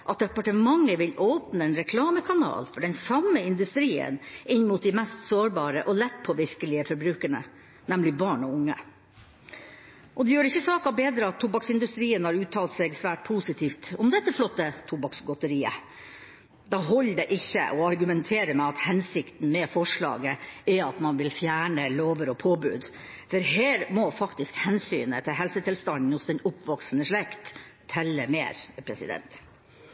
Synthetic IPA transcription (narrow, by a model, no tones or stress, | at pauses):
ʔɑt̪̚d̪ɛpɑʈəmɑŋːəʋɪloːpnəɛːnɾɛkʰlɑːməkʰɑnɑ̰ːlfɔɖɛnsɑmːəɪnd̪ʉst̪ɾiːə̰nɪnːmuːt̪̚d̪ɪmɛst̪soːɾbɑːɾə̰ʔɔlɛt̪ːpʰɔʋɪɾkəlɪəfɔɾbɾʉːkəɳə̰ | nɛmlɪbɑːɳɔʊŋːə̰ | ʔɔd̪ɛjøːɾɪçːəsɑːkɑbeːd̪ɾəɑt̪ʰːʊbɑksɪnd̪ʉst̪ɾiːənhɑːɾʉːt̪ʰɑːlt̪sɛɡsʋæːʈ̚pʰuːsɪt̪ʰiːft̪ʊmd̪ɛt̪ːəflɔt̪ːət̪ʰʊbɑksɡɔt̪əɾiːə̰ | d̪ɑːɦɔlːd̪ɛʔɪçːə̰ʔɔɑɾɡʉmɛnt̪ʰeːɾəmɛɑt̪hɛnsɪkt̪n̩mɛfɔʂɭɑ̰ːɡəɛɾɑt̪mɑnʋɪlfjæːɳəloːʋəɾɔpʰoːbʉ̰ːd̪ | fɔɾɦeːɾmɔfɑkt̪ɪskhɛnsy̰ːnət̪ʰɪlɦɛlsət̪ʰɪlst̪ɑnd̪n̩hʊsd̪ɛnʊpʋɑksnəʂɭɛkt̪ʰː | ɛlːəmḛːɾpʰɾɛsɪ̰d̪ɛ̰nt̪